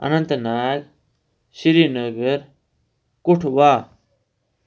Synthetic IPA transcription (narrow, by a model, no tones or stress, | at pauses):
ɐ̰nɐnt̪naːl | ɕiɾinɐɡɐɾ | kuʈʰwaː